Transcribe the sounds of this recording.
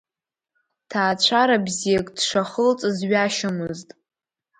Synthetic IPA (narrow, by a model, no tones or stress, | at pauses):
tʰaːt͡ɕʷʰaɾabzijakʼd̥ʂaχəlt͡sʼɨzɥaʃɪmɨztʼ